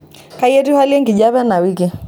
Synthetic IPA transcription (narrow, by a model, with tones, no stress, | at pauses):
ka˦jɛ˦tu˦ha˦li˦ɛ˦ŋɡi˨ʄaβɛ˦na˨wiki˦